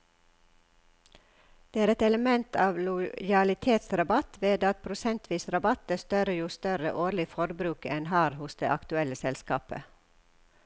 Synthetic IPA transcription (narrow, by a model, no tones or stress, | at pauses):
d̪̥eːæːɾɛt̪ɛləmɛnt̪ʰɑːʋlʊjɑlɪt̪ʰeːt̪sɾɑbɑt̪ʰʋeːd̪ɑt̪̚pʰɾʊsɛnt̪ʰʋiːsɾɑbɑt̪əst̪œɾəjuːst̪œɾə̰ʔoːlɪfɔɾbɾʉːkɛnhɑːɾhʊsd̪ḛːʔɑkt̪ʉɛləsɛlskɑ̰ːpə̰